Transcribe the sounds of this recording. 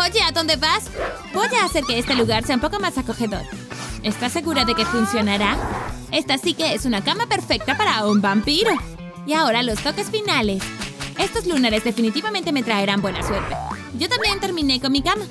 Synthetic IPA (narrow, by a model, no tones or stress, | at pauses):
oʝeaðo̞nd̪e̞βas | boʝaːse̞ɾkeest̪e̞luɣaɾseaumpoko̞masako̞xe̞ðo̞̰ɾ | est̪ase̞ɣuɾaðe̞ke̞funsjo̞naɾae̞st̪asike̞esunakamape̞ɾfe̞k̚t̪apaɾaumbampiɾo̞ | iao̞ɾalo̞st̪o̞ke̞sfinale̞se̞st̪o̞zlunaɾe̞zðe̞finit̪iβamẽnt̪e̞me̞t̪ɾaeɾambwe̞naswe̞ɾt̪e | ʝo̞t̪ambje̞nt̪e̞ɾmĩne̞ko̞nmikama